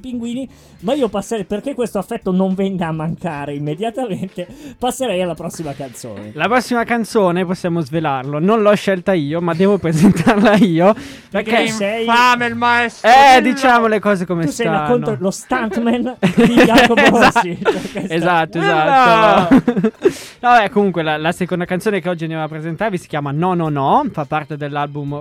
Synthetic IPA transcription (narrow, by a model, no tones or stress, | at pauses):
piŋɡwiːni | maiːopasːeɾɛjperkekːwest̪oafːɛt̪ːonoɱvɛŋɡaːmːaŋkaːɾeimːed̪jat̪ament̪epasːeɾɛjalːapɾɔsːimakant̪so̰ːnelapɾɔsːimakant̪soːneposːjaːmozvelarlononlɔʃːɛlt̪aiːomad̪ːɛːvopɾezent̪arlaiːo | peɾkːesɛjfamelmaɛst̪ɛd̪it͡ʃaːmolekɔːzekomesssaonːoolost̪ant̪mɛniakoza | ezat̪ːoezat̪ː | nɔbɛkːomuŋkwelalasekond̪akant̪soːnekeɔd͡ʒːiand̪ɛvapːɾezent̪aɾevisi̥kʲjaːmanɔnɔnɔfapːart̪ed̪elːalbum